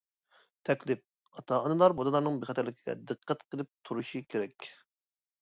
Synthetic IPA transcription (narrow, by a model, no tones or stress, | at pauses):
t̪ʰɛkʲlɪp̚ | ɑt̪ʰɑɑnɨlˠɑɾbod̪ɨlˠɑɾnɨŋbɪχɛt̪ʰæɾlɪkʲiɡʲɛ̰d̪ɨqʰːæt̪qʰəlˠɨp̚t̪ʰuɾuʃikʲʰeɾɛkʲ